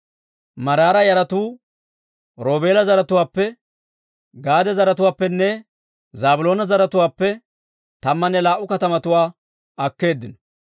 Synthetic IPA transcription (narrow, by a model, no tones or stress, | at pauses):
mɐɾaːɾɐjɐɾɐt̪uː | ɾo̞ːbe̞ːlɐzɐɾɐt̪ʊwaːpːɛ | ɡaːd̪ɛzɐɾɐt̪ʊwaːpːɛnːɛ | zaːbʊlo̞ːnɐzɐɾɐt̪ʊwaːpːɛ | t̪ɐmːɐnːɛlaːʔːʊkɐt̪ɐmɐt̪ʊwaː | ɐkːe̞ːd̪ːɪnɔ